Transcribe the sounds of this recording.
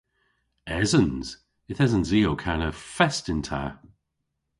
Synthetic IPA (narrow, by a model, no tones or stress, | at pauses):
ɛzənz̥ | ɪθɛzənziːowkʰanəfɛstɪntʰa̰